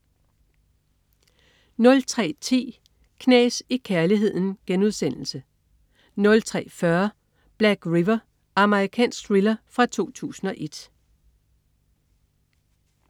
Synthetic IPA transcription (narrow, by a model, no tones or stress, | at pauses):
nɔ̽lt͡sʰʁɛ̰ːt͡sʰḭː | kʰnɛ̰ːsikʰæɐliɦe̝ð̞̰ˠn̩ɡ̥enuð̞ˠsen̰l̩sə | nɔ̽lt͡sʰʁɛ̰ːfɶɐ | b̥læɡ̥ʁiʋɐ | ʔɑ̈məʁikʰɛ̰ːnsɡ̥ʁilɐfʁɑ̈t͡sʰo̝̰ːt͡sʰṵːsn̩ɒ̽ʔe̝d̥